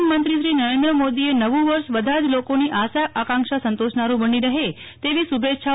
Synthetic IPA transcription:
mənt̪ɾiʃɾinəɾend̪ɾəmod̪ienəʋũʋəɾʃʋəd̪ʱad͡ʒlokoniʔasaakãŋkʃasə̃nt̪oʃnaɾũbəniɾəɦe | t̪eʋisubʱetʃa

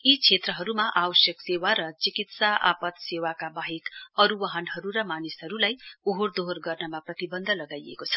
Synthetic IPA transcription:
it͡sʰet̪rʌɦʌɾumaʔawʌsjʌksewaɾʌt͡sikit̪saʔa̰pʌt̪sewakabaɦikʌɾuwʌɦʌnɦʌɾuɾʌmanisɦʌɾulajoɦord̪oɦrɡʌrnʌmaprʌt̪ibʌnd̪ʱʌlʌɡajḛkot͡sʰʌ̥

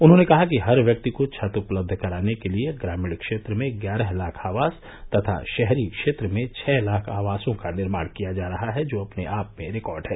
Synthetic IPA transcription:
ʊnɦõnekɐɦakiɦɐɾʋjɐk̚t̪ikot͡ʃʰɐt̪ʊpləb̚d̪ʱkɐɾaːnekelieɡɾaːmɪɽkʃeːt̪ɾəmẽɡjaːɾɛɦlaːkʰaːʋaːs | t̪ɐt̪ʰa̰ʃɛɦɾikʃeːt̪ɾəmẽt͡ʃʰɛːlaːkʰaːʋaːsõkanɪɾmaːɽ̃kijad͡ʒaːɾɐɦaɦɛd͡ʒoːɐpneʔaːpmẽɾɪkɔːɾɖɦɛː

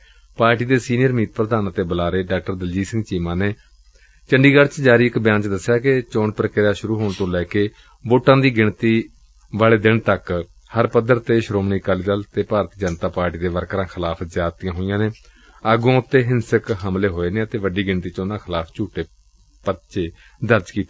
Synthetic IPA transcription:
paːɾʈiːd̪eːsiːnijəɾmiːt̪̚pɾəd̪aːnt̪eːbəlaːɾeːɖaːk̚ʈəɾd̪əld͡ʒiːsɪ̃ŋɡt͡ʃiːmãːneː | t͡ʃəɳɖiːɡəɖt͡ʃd͡ʒaːɾiːɪkbjãːɲt͡ʃd̪əsːjaːket͡ʃoːɳpəɾkɪɾaːʃʊɾuːɦoːɳt̪õːlɛːkeː | boːʈːãːd̪iːɡɪɳt̪iː | ʋaːɭeːd̪ɪɳt̪ək | həɾpəd̪əɾt̪eːʃɾoːmniːkaːliːd̪əlt̪eːpaːɾt̪iːd͡ʒənt̪aːpaːɾʈiːd̪eːʋəɾkəɾãːkʰɪlaːpʰzjaːt̪ijãːɦoːɪjãːneː | əɡãːʊt̪ːeːɦɪnsəkɦəmleːɦoːeːneːət̪eːʋəɖiːɡɪɳt̪iːt͡ʃoːnãːkʰɪlaːpʰt͡ʃuːʈeː | pət͡ʃeː | d̪əɾd͡ʒkiːt̪eː

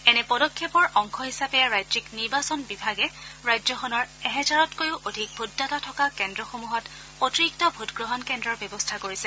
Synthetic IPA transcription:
ɛnɛpɔdɔkʰːɛpɔɹʔɔŋkʰɔɦisapɛɹajzikniɹbasɔnbibʱaɡɛɹajzɔxɔnɔɹɛɦɛzaɹɔtkojʊʔodʱik̚bʱudːatatʰɔkakɛndɹɔxomuɦɔt | otiɹiktɔbʱutɡɹɔɦɔnkɛndɹɔɹbjɔbɔstʰakoɹisɛ

